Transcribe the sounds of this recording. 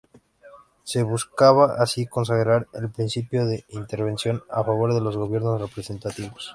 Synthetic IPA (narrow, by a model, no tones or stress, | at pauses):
se̞βuskaβaʔasiko̞ns̬aɣɾaɾelpɾinsipjo̞ðe̞int̪e̞ɾβe̞nsjo̞na̰faβ̞o̞ɾðe̞lo̞zɣo̞βje̞ɾnosre̞pɾe̞se̞nt̪at̪iβos